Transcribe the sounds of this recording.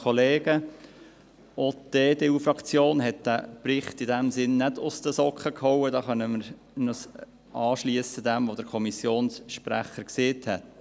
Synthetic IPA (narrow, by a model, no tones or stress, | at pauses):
ɔleːɡ̥ə | oːt̪eːdeufɾɑkt͡sjoːnɦɛt̚d̥̪æːpɾɪχtidæmsɪnːɛdʊst̪əsɔkχəkhɔwədɑːχœnəməɾ | nəs | ʔɑːʃliəsəd̪æmʋod̥̪əɾkʰɔmisjoːnsʃpɾæχəɾkseːthɛt̪